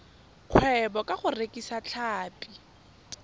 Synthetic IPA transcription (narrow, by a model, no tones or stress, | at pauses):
q͡χʰwɛbɔkʼaχʊrekʼisat͡ɬʰaːpʼi